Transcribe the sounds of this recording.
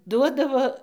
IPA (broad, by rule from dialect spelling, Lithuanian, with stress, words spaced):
ˈduɔdɐʋoː